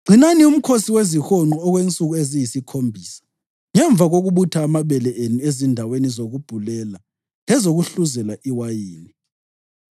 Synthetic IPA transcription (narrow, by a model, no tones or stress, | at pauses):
ɡ͡ǀʱinanium̩kʰosiwezixɔŋ͡ǃɔːɣwent͡sʼuɣuezijisikʰombʱiːsḁ | ŋɛɱb̪vʱaɣoɣuβutʰaːmaβɛlɛʔenuezindʱawenizoɣub̥ʱulɛla | lɛzoɣuɬuzɛlaʔiwajiːni